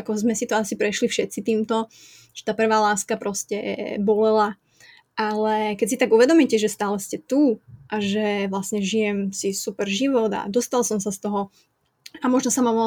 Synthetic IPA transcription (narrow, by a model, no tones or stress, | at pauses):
akɔzmɛsit̪ɔasipɾɛʃlifʃɛt̪sit̪iːmt̪ɔ | ʒ̥ɛ̥t̪aːpr̩ʋaːlaːskapɾɔscɛ̰bɔlɛla | ʔalɛkɛcsit̪aɡuʋɛd̪ɔmicɛʒɛst̪aːlɛscɛt̪uːʔaʒɛʋlasɲɛʒijɛmsisupɛɾʒiʋɔd̪a̰d̪ɔst̪alˠsɔmsast̪ɔɦɔ | amɔʒnɔsamamɔ